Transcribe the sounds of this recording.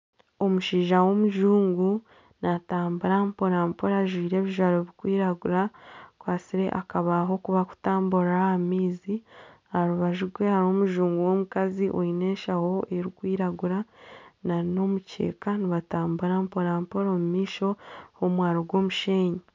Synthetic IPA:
o̞muʃiːʒawo̞muʒuːŋɡu | nataːmbuɾampo̞ɾaːmpoɾaʒwiːɾe̞ːβiʒwaɾoβikwiːɾaɡuɾakwaːsiɾe̞̰ʔakaβaɦo̞kuβaku̥taːmbuɾahamiːzi | aɾuβaʒuɾɡwe̞haɾoːmuʒuːŋɡuwomukaziʔoine̞ːʃaho̞ʔe̞ɾikwiːɾaɡuɾanaɾino̞muce̞̰ːkaniβataːmbuɾampo̞ɾaːmpoɾomumiːʃo̞homwaːɾoɡwo̞ːmuʃeːɲe

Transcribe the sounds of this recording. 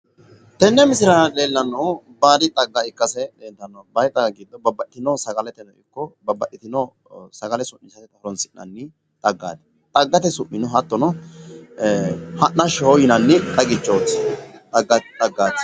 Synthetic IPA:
t̪ɛnːɛmɪsɪɾɐle̞ːlːɐnːɐw | baːd̪ɪt̪ʼɐɡːɐɪkːɐsɛdent̪ːɐnːɐbɐjt̪ʼːɐɡiːd̪ːɔbɐbːɐʔɪt̪ɪnɔsɐɡɐlɛt̪ɛnɔɪkːɔbɐbːɐʔɪt̪ɪnɔ | sɐɡɐlɛsʊʔːɪsɐt̪ɛt̪ʼɐɾɔnsɪʔnɐ̰nːɪ | t̪ʼɐɡːa̰ːd̪ | t̪ʼɐɡːɐt̪ɛsʊʔːɪnɔɦɐt̪ːɔnɔ | hɐʔnɐʃhɔjɪnɐnːɪt̪ʼɐɡɪt͡ʃːoːt̪ːt̪ʼɐɡːɐt̪ʼɐɡːaːt̪

